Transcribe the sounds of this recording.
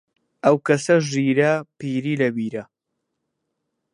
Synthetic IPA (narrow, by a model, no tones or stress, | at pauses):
ɐwkɐsɐʒiːɾɐpiːɾiːlɐbiːɾɐ